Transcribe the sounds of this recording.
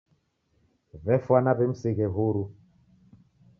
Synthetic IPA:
vɛfwanaβem̩seɣɛɦuɾu

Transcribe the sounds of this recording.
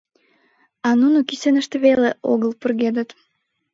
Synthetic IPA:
ɑnunukisenə̆ʃt̪əβeleo̰ɣəlpurɣed̪ət̪

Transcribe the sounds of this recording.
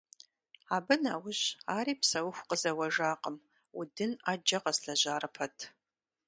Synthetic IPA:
aːbɨnaːwʊɕaːɾiːpsɐwʊxʷqəzɐwɐʒaːqəm | ʊdɨnaːd͡ʒɐqɐsɬɐʑaːɾɨpʰɐtʰ

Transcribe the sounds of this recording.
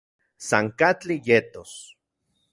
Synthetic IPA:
saŋkat͡ɬijet̪os

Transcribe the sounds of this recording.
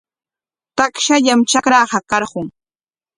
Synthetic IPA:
t̪akʃaʎamt͡ʃakɾɑːɢɑkɑɾɢʊŋ

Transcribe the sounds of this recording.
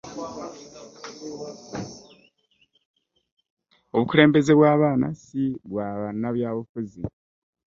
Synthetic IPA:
o̞βukuɾe̞ːmbe̞ze̞βwaːβaːna̰siβwaːβanaβjaːβufuzi

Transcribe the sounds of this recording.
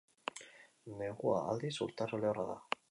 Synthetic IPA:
neɣua̰a̰ld̪isṵɾt̪aroleoraða̰

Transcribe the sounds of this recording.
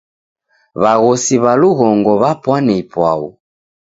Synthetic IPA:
βaɣɔsiβaluɣɔŋɡɔβapwanɛipwa̰ṵ

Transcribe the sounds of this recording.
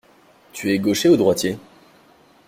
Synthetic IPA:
t̪yɛɡoʃeod̪ʁwat̪je

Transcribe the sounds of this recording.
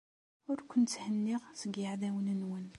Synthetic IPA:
ʊɾkʷʊnt̪ːhənːiʁsəɡjəʕðæwənənwən

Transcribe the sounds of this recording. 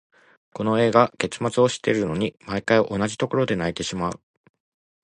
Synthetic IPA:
ko̞no̞e̞ːɡake̞t͡sɨmat͡sɨo̞ɕi̥t̪ːe̞ɾɯ̟no̞ɲ̟imaikaiʔo̞naʑit̪o̞ko̞ɾo̞d̪e̞nait̪e̞ɕimaɯ̟

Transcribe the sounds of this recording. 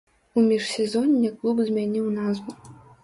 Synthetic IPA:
umʲiʂsʲɛzɔnʲːɛklˠubzʲmʲanʲiwnazvu

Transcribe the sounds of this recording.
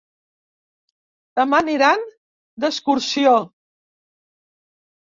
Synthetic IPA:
d̪əmaniɾan | d̪əskuɾsio

